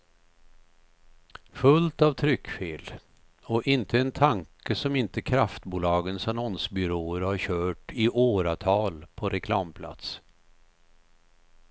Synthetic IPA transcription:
fɵlt̪avt̪ʰɾʏkːfeːl | ɔʔɪnt̪ʰəɛnt̪ʰaŋkəsɔmɪnt̪əkʰɾaft̪buːlɑːɡənsanɔnsbʏɾoːəɾhaɾɕœːʈɪʔoːɾat̪ʰɑːlpʰɔɾɛkʰlɑːmpʰla̰t̪s

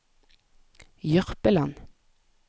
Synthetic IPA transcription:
jœʁpəlan

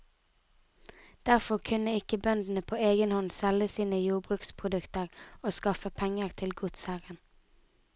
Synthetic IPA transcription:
d̪̥æʁfɔʁkʰʉnəɪkəbœnd̪n̩əpʰoːeːɡənhɔnsɛləsiːnəjuːbʁʉːkspʰʁʊd̪ʉkt̪əʁoːskɑfəpʰɛŋəʁt̪ʰɪlɡʊt̪sæʁən

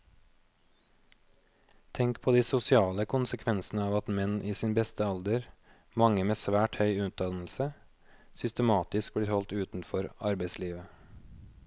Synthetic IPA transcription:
t̪ʰɛŋkpʰoːd̪iːsʊsɪɑːləkʰʊnsəkʰʋɛnsn̩əɑːʋɑt̪mɛnʔiːsiːnbɛst̪əɑld̪əɾ | mɑŋəmeːsʋæːʈhœʏʉnt̪̚d̪ɑnl̩sə | sʏst̪əmɑːt̪ɪsk̚bliːhɔlt̪ʉːt̪n̩fɔɾɑɾbeɪsliːʋə

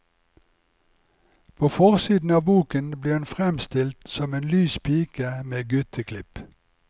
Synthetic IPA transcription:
pʰoːfɔʁsiːd̪n̩ɑːbuːkənbliːʁhʉnfʁɛmst̪ɪlt̪sɔmeːnlyːspʰiːkəmeːɡʉt̪ʰəkʰlɪp

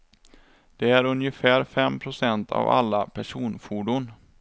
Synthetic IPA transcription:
d̪̥ɛæɾɵnjəfæːɾfɛmːpʰɾʊsɛnt̪ʰa̰va̰lːapʰæʂuːnfuɖʊn

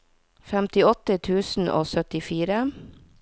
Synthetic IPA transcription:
fæmt̪ɪɔt̪ət̪ʰʉːsn̩ʔo̰ːsœt̪ɪfiːɾə

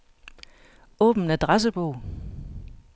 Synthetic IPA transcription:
ɔ̰̽ːb̥n̩æd̥ʁas̬əb̥ɔʊ̰

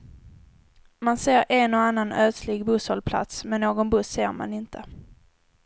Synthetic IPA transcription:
manseːɾɛnɔanːanœːt̪lɪɡbɵshɔlpʰla̰t̪smɛnːoːɡɔnbɵsːeːɾma̰nɪnt̪ʰə

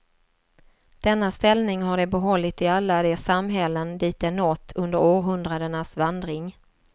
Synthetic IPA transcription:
d̪̥ɛnːast̪ɛlnɪŋɦaɖɛbɛɦɔlːɪt̪ɪalːad̪ɛːsamɦɛlːənd̪iːt̪ɛnːɔt̪ʰːɵnd̪əɾoːɾɦɵnd̪ɾad̪əɳasvand̪ɾɪŋ

